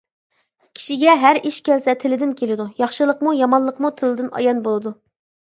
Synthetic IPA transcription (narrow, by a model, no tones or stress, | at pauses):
kʲʰi̥ʃiɡʲɛɦæɾiʃkʲʰɛlsɛt̪ʰɪlɪd̪ɪnkʲʰelɪd̪ujɑχʃɨlˠəqmujɑmɑnlˠəqmut̪ʰɪlɪd̪ɪnɑ̰jɑnbolˠɨd̪u